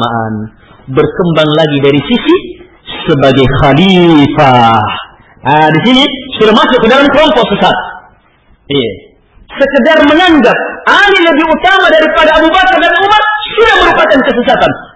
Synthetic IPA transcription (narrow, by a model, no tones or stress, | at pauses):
maʔa̰n | bərkəmbaŋlaɡidaɾisisi | səbaɡajxalifa | disinisudamasʊkədaɾankəlɔmpɔk̚səsat̪̚ | ia | səkədarməŋaŋɡap̚aliləbiut̪amadaɾipadaːbubakardanumat̪̚sudahməɾupakankəsəsat̪an